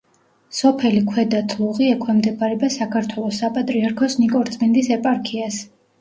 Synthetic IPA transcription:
sɔpʰɛlikʰwɛd̪at̪ʰlˠuʁiɛkʰwɛmd̪ɛbʰʼaɾɛbasakʰaɾt̪ʰwɛlˠɔsapʼat̪ʼɾiaɾkʰɔsnikʼɔɾt̪sʼmind̪isɛpʼaɾkʰias

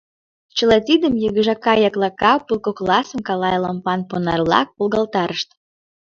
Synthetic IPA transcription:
t͡ɕəlet̪ʲid̪əmjəɣəʒɑkɑjɑklɑkɑpulˠkoklɑsə̆mkɑlɑjlɑmpɑnponɑ̰rlɑ̰k̚polɣɑlt̪ɑɾəʃt̪

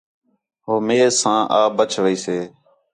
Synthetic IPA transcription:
ɦoːmeːsãːʔaːbət͡ʃʰʋəiːseː

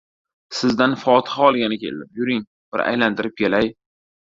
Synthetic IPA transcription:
sɪzd̪anfɒt̪ʰɪ̥haɒlˠɡʲanɪkʲʰe̞̰lɪ̰nɪpjʊɾɪŋ | b̥ɪɾa̰jlant̪ɪɾɪp̚kʲʰelaj

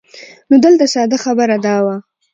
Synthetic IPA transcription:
nod̪əlt̪asɑd̪axabəɾad̪ɑwa

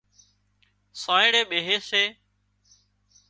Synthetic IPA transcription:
sãːẽːɽeːɓeːɦeːseː

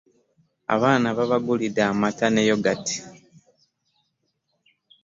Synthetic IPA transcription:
a̰βaːnaβaβaɡulidaːmatanejo̞ɡati̥

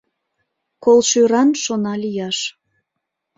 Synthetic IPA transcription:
kolˠʃyɾɑnʃonɑlijɑʃ

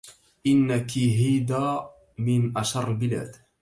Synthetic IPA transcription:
ʔɪnːakiɦiːd̪aː | mɪnʔaʃɑɾˤlbɪla̰ːd̪

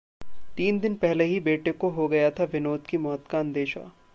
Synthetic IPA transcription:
t̪iːnd̪ɪnpɛɦleɦibeːʈekoɦoɡɐjat̪ʰaʋɪnoːd̪kimɔːt̪kaɐ̃nd̪eːʃa̰

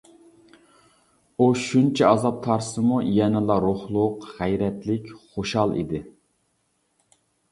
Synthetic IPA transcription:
uʃunt͡ʃʰɛɑzɑp̚t̪ʰɑɾsɨmujɛnɪlˠɑɾoχlˠʊqʁɛjɾɛt̪lɪkʲχoʃhɑlˠḭd̪ɪ

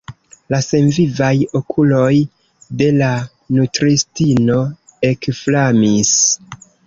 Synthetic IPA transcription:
lase̞nvivajo̞kʰulo̞j | de̞la | nutɾistino̞e̞kflamis

